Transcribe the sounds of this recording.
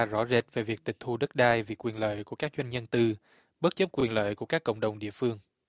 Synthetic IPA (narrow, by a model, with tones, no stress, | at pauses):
a˧zɔ̰˧˥ze˨˥t̚ve˨˩vi˨˩ək̚t̪ï˨˩k̚t̪ʰu˧ɗə˦˥t̚ɗaː˧jvi˨˩kwi˨˩ənlə̰ː˧˨jku˧˩əkaː˦˥k̚t͡ɕwa˧jnɲə˧nt̪ɨ˧ | ɓə˦˥t̚t͡ɕə˦˥p̚kwi˨˩ənlə̰ː˧˨jku˧˩əkaː˦˥kːə̰˧˨wŋ͡mɗə˨˩wŋ͡mɗḭ˧˨əfɨ˧əŋ